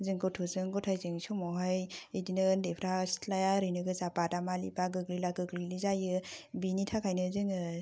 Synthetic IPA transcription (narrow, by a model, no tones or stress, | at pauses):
zɯŋɡɔtʰɔzɯŋɡɔtʰajzɯŋsomɔɦajidinɯndepʰɾastʰlajaɾɯnɯɡɯzapadamalibaɡɯklilaɡɯɡlilizajɯbinitʰakʰajnɯzɯŋɯ